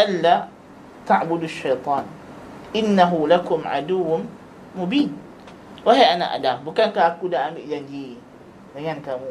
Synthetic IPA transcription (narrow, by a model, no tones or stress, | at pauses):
ʔalːa | t̪aʕbʊd̪aʃːajt̪ˤɑːn | ʔɪnːaɦʊlakʊmʕa̰d̪uwː | mʊbiːn | waɦajʔana̰ʔa̰dambukankaakudaʔambiʔd͡ʒaɲd͡ʒi | daŋankamu